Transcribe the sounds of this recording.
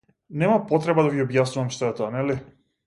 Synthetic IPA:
nɛmapot̪ɾɛbad̪aviobjasnuamʃt̪oɛt̪oanɛli

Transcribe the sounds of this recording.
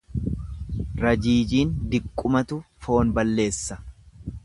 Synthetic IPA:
ɾɐd͡ʒiːd͡ʒiːnd̪ɪkʼːʊmɐt̪ʊfo̞ːnbɐlːe̞ːsːɐ̥

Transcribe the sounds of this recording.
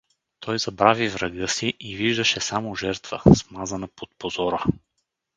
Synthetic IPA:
t̪ʰɔjzɐbɾavivɾɐɡɤsiʔiviʒd̪əʃɛsamoʒɛɾt̪və̰smazənɐpot̪̚pozɔɾə

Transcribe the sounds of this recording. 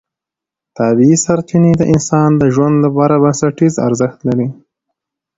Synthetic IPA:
t̪ɑbiisaɾt͡ʃined̪əʔɪnsɑnd̪əʒwand̪lapɑɾabansaʈiza̰ɾzəxt̪laɾi

